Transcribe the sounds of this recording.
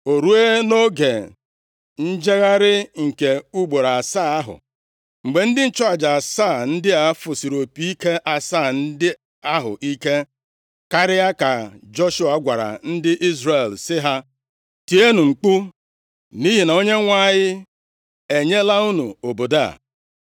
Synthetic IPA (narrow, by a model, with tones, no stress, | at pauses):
o˨ɾu˦e˦no˦ɡe˨ | n̩˦d͡ʒe˦ɣa˦ɾɪ˦ŋ̩˨ke˨u˦ɡ͡bo˨ɾa˨saː˦˨a˦ɦʊ̰˨ | ŋ͡m̩˨ɡ͡be˨n̩˦dɪ˦n̩˦t͡ʃɔ˦a˨d͡ʒa˨a˨saː˦˨n̩˦dɪ˦a˦fʊ˨si˨ɾo˨pi˨˦i˦ke˦ʔa˨sa˦˨n̩˦dɪ˦ | a˦ɦʊ̰˨ʔi˦ke˦ | ka˦ɾɪ˦ja˦ka˨d͡ʒo˦ʃu˦a˨˦ɡʷa˨ɾa̰˨n̩˦dɪ˦ʔi˦zɾe˨lsɪ˦ɦa˦ | ti˨e˦nu˨ŋ͡m̩˨k͡pu˦ | ni˦ɦi˨na˨o˦ɲe˦ŋʷa˦˨ɲɪ˦ | e˨ɲe˦la˦u˦nu˨o˨bo˨da̰˦˨